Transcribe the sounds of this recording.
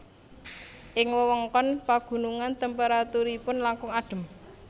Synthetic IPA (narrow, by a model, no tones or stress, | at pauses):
ʔɪŋwəwɔŋkɔnpaɡ̥ṳnuŋant̪əmpəɾat̪uɾipʊnlaŋkʊŋaɖ̥ə̤m